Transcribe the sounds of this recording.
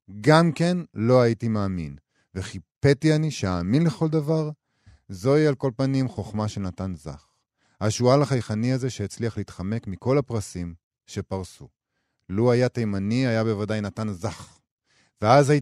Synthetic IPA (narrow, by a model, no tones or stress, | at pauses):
ɡamke̞nlo̞aitimaːmin | veχipe̞tianiʃeaːminleχo̞ld̪avaʁ | zo̞ialko̞lpanimχo̞χmaʃelnatanza̰χ | haʃualaχajχaniaze̞ʃeet͡sliaχliiːtχame̞kmiko̞lapʁasim | ʃe̞paʁsu | luajatajmaniajabe̞vadajnatanzaχ | veazai